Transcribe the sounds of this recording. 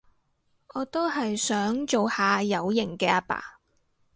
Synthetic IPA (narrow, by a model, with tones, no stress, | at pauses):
ɔː˨˧t̪o˥wɦɐ˨jsœː˨˥ŋt͡ʃo˨˧whaː˨˧jɐ˨˧wjɪ˨˩ŋkɛː˧ɐ˧pa̰ː˧˩